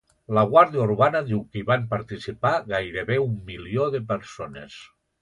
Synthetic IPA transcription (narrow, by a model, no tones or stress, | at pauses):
ləɣwaɾðijuɾβanəðiwkəiβampaɾt̪isipaɣajɾeβeumːilioðepeɾsonḛs